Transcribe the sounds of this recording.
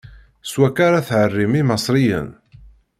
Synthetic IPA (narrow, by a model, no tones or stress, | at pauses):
swækːaɾaθʕərːimimɑsˤɾijə̰n